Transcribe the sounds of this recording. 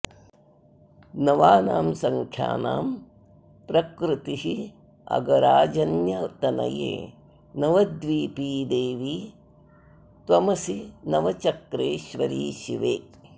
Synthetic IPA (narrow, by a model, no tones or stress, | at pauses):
nɐʋaːnaːmsɐŋkʰja̰ːna̰ːm | pɾɐkɾut̪iɦi | ɐ̰ɡɐɾaːd͡ʒɐnjɐt̪ɐnɐ̰jḛː | nɐʋɐd̪ʋiːpiːd̪eːʋiː | t̪ʋɐmɐsinɐʋɐt͡ʃɐkɾeːʃʋɐɾḭːʃḭʋeː